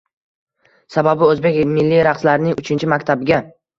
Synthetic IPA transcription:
sababɪɵzbekʲmɪlːiɾaχslaɾɪnɪŋʔʊt͡ʃʰɪnt͡ʃʰɪmakʲt̪ʰabɪɡʲa

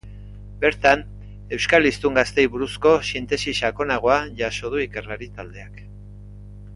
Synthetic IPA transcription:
be̞ɾt̪an | e̞wskalist̪uŋɡast̪e̞jβuɾusko̞sint̪e̞siʃako̞naɣ̞o̞aʝaso̞ð̞uike̞rlaɾit̪ald̪e̞ak

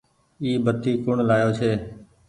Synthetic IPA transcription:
iːbət̪iːkʊɳlaːjoːt͡ʃʰeː

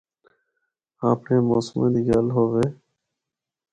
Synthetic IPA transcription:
aːpɳeːmoːsmḛ̃ːd̪iːɡalɦoːɣeː

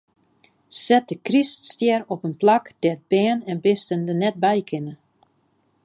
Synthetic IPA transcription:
sɛt̚dəkriststjɛɾɔpənplakd̥ɛt̚b̥ɛːnɛnbɪstəndənɛt̚bɛjkʰɪnə

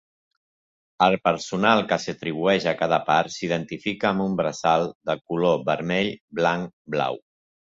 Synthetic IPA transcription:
əlˠpəɾsunalˠkəsət̪ɾiβ̞uɛʃəkað̞əpaɾsiðənt̪ifikəːmbumbɾəzalˠd̪əlkuloβəɾmɛʎblaŋbla̰w

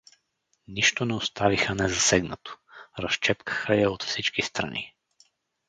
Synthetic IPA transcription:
niʃt̪onɛost̪avixənɛzɐsɛɡnət̪o̥ɾɐst͡ʃɛpkə̥xəjaot̪fsit͡ʃkist̪ɾɐ̰nḭ

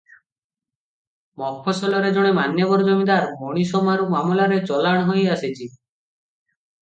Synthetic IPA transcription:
mɔk̚pʰɔsɔlɔɾed͡ʒɔɽ̃emanjɔbɔɾɔd͡ʒɔmid̪aɾbɔɽ̃isɔmaɾumamulaɾet͡ʃɔlaɽ̃ɦojaset͡ʃʰi

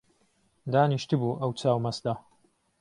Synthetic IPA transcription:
d̪aːniʃt̪ɨbuːʔɐwt͡saːwmɐsd̪a

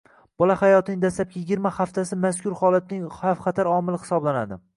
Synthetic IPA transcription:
b̥ɒlahajɒt̪ɪnɪŋd̪aslap̚kʲajɪɡʲiɾmahaft̪ʰasɪmaskʰʲʊɾχɒlat̪̚nɪŋafqʰɑt̪ʰaɾɒmɪlˠɪhɪ̥sɒblanad̪ɪ

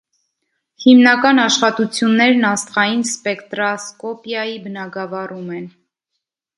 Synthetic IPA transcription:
himnɑkɑnɑʃχɑt̪ut͡sʰjunːɛɾnɑst̪χɑjinspɛkt̪ɾɑskɔpjɑjibənɑɡɑvɑrumɛn

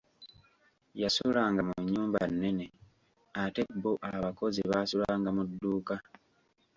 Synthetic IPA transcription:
jasulaːŋɡamuɲːuːmbanːe̞ne̞ | ate̞bːoʔaβako̞ziβaːsulaːŋɡamudːuːka

